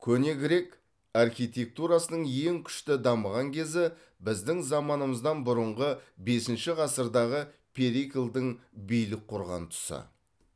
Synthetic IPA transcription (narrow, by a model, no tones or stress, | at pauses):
kʲʰɵne̞ɡʲɪɾe̞k | ɑrχijt̪ʲe̞k̚t̪uɾɑsənəɴje̞ŋkʲʰʏ̥ʃt̪ɪd̪ɑməʁɑŋkʲʰe̞zɪ | bɪzd̪ɪŋzɑmɑnəməzd̪ɑnbʊɾəɴʁəbe̞sɪnʃɪʁɑsəɾd̪ɑʁə | pʲʰeɾikʲilˠd̪ɪŋbijlɪk̚qʰʊɾʁɑ̰nt̪ʰʊ̥sɑ̰